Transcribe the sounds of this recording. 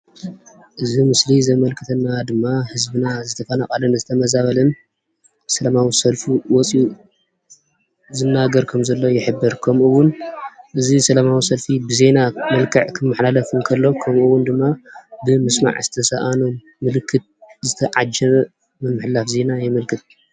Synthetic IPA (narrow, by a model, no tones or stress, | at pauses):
ʔɨzimɨslizɐmɐlkʰɨt̪ʰɐnːad̪ɨmːahɨzbɨnazɨt̪ʰɐfɐnakʼɐlɐnɨzɨt̪ʰɐmɐzaβɐlɐn | sɐlamawisɐlfuwɔt͡sʼiu | zɨnːaɡɐɾkʰɐmzɐlːo̞jɪħɨbːɨɾkʰɐmʔuwʊnʔɨzisɐlamawisɐlfibɨze̞namɐlkʰɐʕkʰɨmːɨħlalɐfɨmkʰɐlːo̞kʰɐmʔuwːʊnd̪ɨmːabɨmɨsma̰ʕz̥ɨt̪ʰɐsaʔanoː | ɨlɨkʰːɨt̪̚zɨt̪ʰɐʕad͡ʒɐβ | mɨmːɨħlafze̞najɛmɐlkʰɨt̪̚